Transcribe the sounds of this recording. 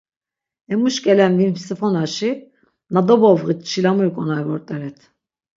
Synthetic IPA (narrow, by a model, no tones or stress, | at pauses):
ɛmuʃcɛlænvinfisifonaʃi | nad̪obovɣɯt͡ʃʰilamɯɾkʼonajvɔɾt̪ʼaɾɛt̪ʰ